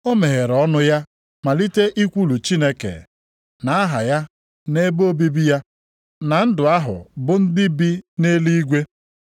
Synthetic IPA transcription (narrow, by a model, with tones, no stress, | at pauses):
o˦me˨ɦe˨ɾɔ˦nʊ˦ja˦ | ma˨li˦te˦ʔi˦kʷu˦lu˨t͡ʃi˦ne˦kḛ˨ | na˨a˦ɦa˨ja˦ | ne˦bo˦bi˦bi˦ja˦ | na˨n̩˦dʊ˨a˦ɦʊ̰˨bʊ˦n̩˦dɪ˦bi˦ne˦li˦ɡʷe˦